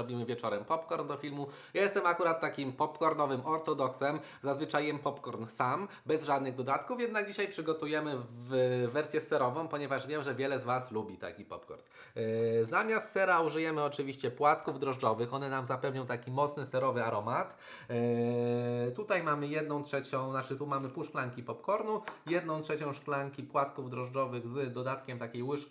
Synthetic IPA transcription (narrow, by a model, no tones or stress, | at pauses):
ɔbʲimɘvʲjɛt͡ʂɔɾɛmpɔpkɔɾnd̪ɔfʲilmu | jajɛst̪ɛmakuɾat̪ːakʲimpɔpkɔɾnɔvɘmʔɔɾt̪ɔd̪ɔksɛm | zazvɘt͡ʂajɛmpɔpkɔɾnsambɛzʐad̪nɘɣd̪ɔd̪at̪kufjɛd̪naɡ̚d͡ʑiɕajpʂɘɡɔt̪ujɛmɘvvɛɾsʲjɛsɛɾɔvɔ̃w̃pɔɲɛvaʐvʲjɛmʐɛvʲjɛlɛzvaslubʲit̪a̰kʲipɔ̰pkɔ̰ɾn | zamʲjast̪sɛɾauʐɘjɛmɘɔt͡ʂɘvʲiɕt͡ɕɛpwat̪kuvd̪ɾɔʐd͡ʐɔvɘxɔnɛnamzapɛvɲɔ̃w̃t̪akʲimɔt̪snɘsɛɾɔvɘaɾɔmat̪ | t̪ut̪ajmamɘjɛd̪̚nɔ̃w̃tʂɛt͡ɕɔ̃w̃nat͡ʂɘt̪umamɘpuʂklaŋkʲipɔpkɔɾnujɛd̪nɔ̃w̃tʂɛt͡ɕɔ̃w̃ʂklaŋkʲipwat̪kuvd̪ɾɔʐd͡ʐɔvɘɣzd̪ɔd̪at̪kʲɛmt̪akʲejwɘʂʲ